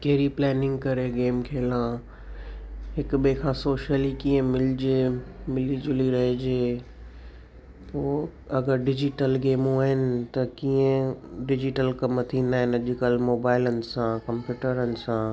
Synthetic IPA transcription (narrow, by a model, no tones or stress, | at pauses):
keɦɾiplɛːnɪ̃ŋɡkɐɾeɡeːmkʰeːlãː | ɦɪkɓekʰãːsoːʃəlikiə̃mɪlɪd͡ʑemɪlid͡ʑʊliɾɐɦid͡ʑeː | poː | ɐɡəɾɖɪd͡ʑɪʈəlɡeːmũaːɦɪnɪ̆t̪ɐkiːə̃ɖɪd͡ʑɪʈəlkɐmt̪ʰĩnaːɦɪnɐʄɪkəlmoːbaːɪlənɪ̆sãkɐ̃mpjuːʈəɾənɪ̆sã